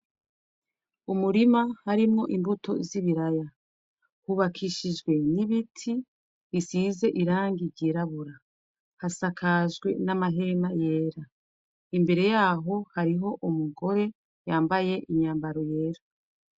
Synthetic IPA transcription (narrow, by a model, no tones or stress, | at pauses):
umuɾimahaɾimŋo̞ʔimbutʰo̞̰ziβiɾaja | huβakʰiʃid͡ʒɡwe̞niβitʰi | βisiːze̞ʔiɾaːŋɡiɾɟiɾaβuɾa | hasakʰaʒɡwe̞namaɦe̞naje̞ːɾa | imbe̞ɾe̞jaːɦo̞haɾiɦo̞ʔumuɡo̞ɾe̞ | jaːmbaje̞ʔiɲaːmbaɾo̞je̞ːɾo